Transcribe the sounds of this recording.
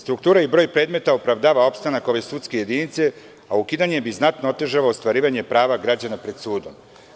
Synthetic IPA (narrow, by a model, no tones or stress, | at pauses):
st̪ɾukt̪uːɾaibɾo̞ːjpɾe̞ːd̪me̞t̪aopɾaʋd̪aːʋao̞pst̪anako̞ʋe̞sut̪skeje̞d̪iːnit̪se̞ | aukid̪aɲebiznat̪noot̪e̞ʒaʋaost̪ʋaɾiːʋaɲe̞pɾaːʋaɡɾad͡ʑanapɾe̞d̪suːd̪o̞m